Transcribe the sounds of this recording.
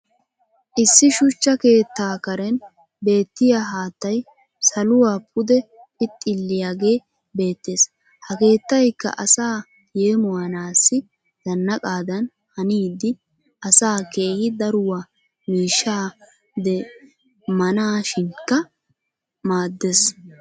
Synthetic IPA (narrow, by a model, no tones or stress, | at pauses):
ʔɪsːɪʃʊt͡ʃːɐke̞ːt̪ːaːkɐɾɛn | be̞ːt̪ːɪjaɦaːt̪ːɐj | sɐlʊwaːpʰʼʊd̪ɛ | ɪt̪ʼːɪlːɪjaːɡe̞ː | be̞ːt̪ːe̞ːs | hɐke̞ːt̪ːɐjkːɐ̰ʔɐsaː | jeːmʊwɐnaːsːɪ | d̪̥ɐnːɐkʼaːd̪ɐn | hɐniːd̪ɪ | ɐsaːke̞ːhɪd̪ɐɾʊwaː | miːʃːaː | d̪ɛ | mɐnaːʃɪnkːɐ | maːd̪ːɛs